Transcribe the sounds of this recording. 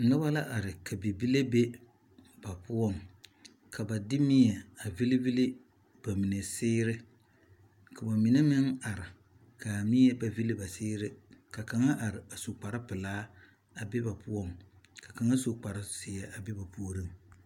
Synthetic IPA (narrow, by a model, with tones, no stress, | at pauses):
n̩˨lʊ˦ba˦la˦ʔa˨ɾɪ˨ka˨bi˨bi˦le˦be˦ | b̥a˨pʊ˦ɔ˦˨ŋ | kʰa˨ba˨dɪ˦mi˦jɛ˨a˨vi˦li˦vi˦lɪ˦ | b̥a˨mi˨ne˨sɪː˦ɾɪ˦ | ka˨ba˨mi˨ne˦mɪ˦ŋa˨ɾɪ˨ | kʰa˨mi˦ɛ˦ba˨vi˦lɪ˦ba˨sɪː˦ɾɪ˦ka˨ka˨ŋa˦ʔa˨ɾɪ˨ba˨so˨k͡pa˨ɾɪ˦pɪ˨laː˦ | a˨be˦ba˨pʊ˦ɔ˦˨ŋ | ka˨ka˨ŋa˦so˨k͡pa˨ɾɪ˦sɪː˨jɛ˨ʔa˨be˦ba˨pu˦o˦ɾɨ˦˨ŋ